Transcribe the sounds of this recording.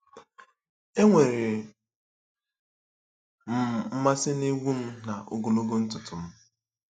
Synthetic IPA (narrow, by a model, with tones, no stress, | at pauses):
e˦ŋʷe˨ɾe˨ | m̩˨˦ma˦sɪ˦ni˦ɡʷu˦m̩˦na˨o̰˨ɡo˨lo˦ɡo˦n̩˦tʊ˨tʊ˨m̩˦